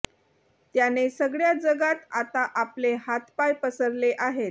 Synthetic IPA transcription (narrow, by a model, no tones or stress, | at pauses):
t̪janesəɡɭjad͡zəɡat̪at̪aʔapleɦat̪pajpəsəɾleʔaɦet̪